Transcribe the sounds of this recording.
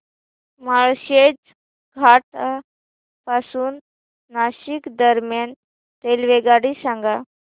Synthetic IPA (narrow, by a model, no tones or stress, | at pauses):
maɭɕed͡z | ɡʱaʈ | pasuːnː | aɕikd̪əɾmjan | t̪elʋeɡaɽisãŋɡa